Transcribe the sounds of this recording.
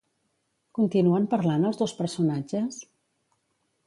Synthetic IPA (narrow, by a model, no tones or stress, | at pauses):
kunt̪inuəmpəɾlanəlˠzðospəɾsunad͡ʒəs